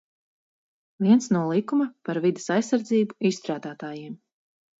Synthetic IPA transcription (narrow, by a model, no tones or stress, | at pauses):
viɛnsnulˠikumɐpaɾvid̪e̥sajsːaɾd̪ziːbuisst̪ɾaːd̪aːt̪aːjiɛm